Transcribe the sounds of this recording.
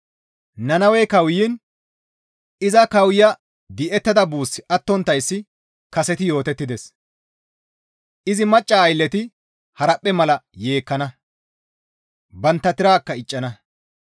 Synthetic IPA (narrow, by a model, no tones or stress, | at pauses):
nɐnɐwɛkɐwjin | ɪzɐkɐwjɐ | d̪ɪʔɛt̪ːɐd̪ɐbuːsːɪʔɐt̪ːɔnt̪ːɐjsːɪ | kɐsɛt̪ɪjo̞ːt̪ɛt̪ːɪd̪ɛs | ʔɪzɪmɐt͡ʃʼːaːjlːɛt̪ɪ | hɐɾɐpʼːɛmɐlɐje̞ːkːɐnɐ | bɐnt̪ːɐt̪ɪɾaːkːɐɪt͡ʃʼːɐnɐ